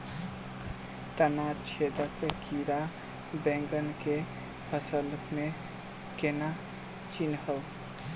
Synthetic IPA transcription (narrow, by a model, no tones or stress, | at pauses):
t̪ənat͡ʃʰed̪əkekiɾa | bẽŋɡənke | pʰəsəlme | kena | t͡ʃinhəl